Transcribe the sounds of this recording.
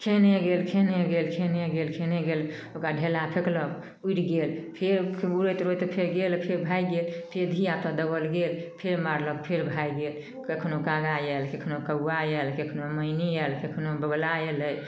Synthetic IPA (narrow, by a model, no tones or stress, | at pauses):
kʰeneɡelkʰeneɡelkʰeneɡelkʰeneɡel | okaɖʱelapʰekləb | uiʈɡelpʰeɾuɾət̪ɾojt̪ɔpʰeɾɡelpʰeɾbʱajɡelpʰeɾd̪ʱijat̪ɔd̪əbəlɡelpʰeɾmaɾləb̚pʰeɾbʱajɡel | kekʰnokaɡajɛlkekʰnokəajɛlkekʰnoməjniɛlkekʰnobəɡlaeləj